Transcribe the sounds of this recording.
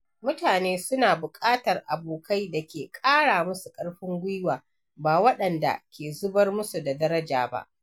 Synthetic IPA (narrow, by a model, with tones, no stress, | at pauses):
mʊ˦taː˨neː˦sʊ˦naː˨bʊ˨kʼaː˦tɐ˨rʔa˨boː˨kʰa˦jda˨kʲeː˨kʼaː˦ɽaː˨mʊ˦su˨kʼɐ˦ɽɸɪ˦ŋɡʷʊ˦jwaː˨ | baː˨wɐ˦ɗɐ˨nda̰˨kʲeː˨zʊ˦bɐ˦rmʊ˦su˨da˨dɐ˦ɾɐ˦d͡ʒaː˨ba̰˦ʔ